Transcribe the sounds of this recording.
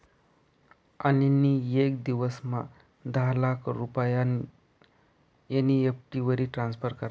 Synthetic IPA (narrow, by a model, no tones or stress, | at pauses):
aniniekd̪iʋəsma̰ | d̪aɦlakʰɾupəjan | janːiepʈiʋəɾiːʈɾansfəɾkəɾ